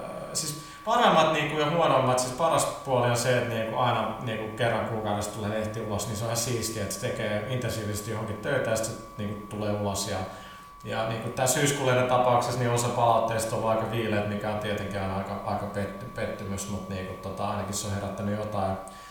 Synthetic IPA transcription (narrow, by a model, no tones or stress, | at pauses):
siːs | pɑremːɑt̪niːŋkujohuonomːɑt̪sispɑrɑspuolionseːt̪niːŋkuɑinɑniːŋkukerːɑŋkuːkɑˑwɾest̪uleːleht̪iːulosniːseoihɑsiːskiet̪se̥t̪ekeːint̪ensiːʋisest̪johoŋkit̪t̪øit̪æjɑsi̥t̪se | niːŋkut̪uleːulosjɑ | jɑniːŋkut̪æːsyːskulenent̪ɑpɑˑuksesniolsɑpɑlɑut̪ːeːɑsit̪olːɑˑikɑʋiːleːt̪mikæont̪iet̪eŋkæonɑikɑɑikɑpet̪ːypet̪ːymysmut̪niːŋkut̪ot̪ɑɑinɑkiseoheræt̪ːænyjot̪ɑi